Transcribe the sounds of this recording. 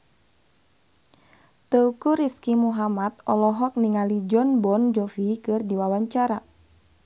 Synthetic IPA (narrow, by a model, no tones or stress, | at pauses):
t̪əukuɾiskimuɦamat̪̚ɔlɔɦɔk̚niŋalid͡ʒɔnbɔnd͡ʒɔfikɨrdiwawaɲt͡ʃaɾa